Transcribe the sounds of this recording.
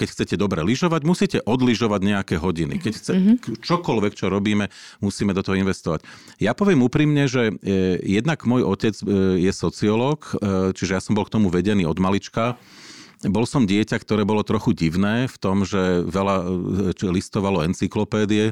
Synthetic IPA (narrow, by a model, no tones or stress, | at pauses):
kɛcxt͡sɛcɛd̪ɔbɾɛliʒɔʋaɟmusiːcɛʔɔd̪liʒɔʋaɟɲɛakɛːɦɔɟinḭkɛcxt͡sɛt͡ʃɔkɔlʋɛkt͡ʃɔɾɔbiːmɛmusiːmɛd̪ɔt̪ɔɦɔinʋɛst̪ɔʋac | japɔʋɪɛmuːpɾiːmɲɛʒɛjɛd̪naɡmɔjɔcɛd͡zjɛsɔt͡siɔlɔːkt͡ʃiʒɛjasɔmbɔlk̚t̪ɔmuʋɛɟɛniːɔd̪malit͡ʃka | bɔlsɔmɟɪɛcakt̪ɔɾɛːbɔlɔt̪ɾɔxuɟiʋnɛːft̪ɔmʒɛʋɛlat͡ʃlist̪ɔʋalɔɛnt͡siklɔpɛːd̪iɛ